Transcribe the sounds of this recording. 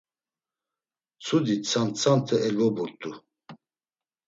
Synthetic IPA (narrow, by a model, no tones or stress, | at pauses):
t͡sʰud̪it͡sʰant͡sʰant̪ʰɛʔɛlɡɔbuɾt̪ʼu